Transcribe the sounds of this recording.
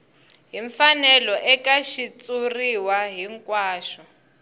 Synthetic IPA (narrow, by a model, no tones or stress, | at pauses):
ɦiɱfanɛlɔʔɛkaʃit͡suriwaɦiŋkwaːʃɔ